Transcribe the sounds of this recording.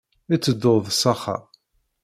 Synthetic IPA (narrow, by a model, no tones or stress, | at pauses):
it͡sːəd̪ːoðˤsɑχɑ̰